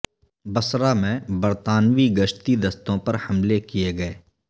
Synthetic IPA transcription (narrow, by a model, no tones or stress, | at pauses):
bɐsɾamẽbɐɾt̪aːnʋiɡɐʃt̪id̪ɐst̪õpɐɾhɐmlekieɡɐeː